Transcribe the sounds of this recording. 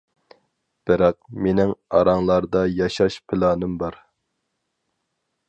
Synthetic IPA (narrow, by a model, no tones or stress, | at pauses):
b̥ɪɾɛq̚menɪŋɑɾɑŋlˠɑɾd̪ɑjɑʃɑʃpʰɪlˠɑːnɨmbɑɾ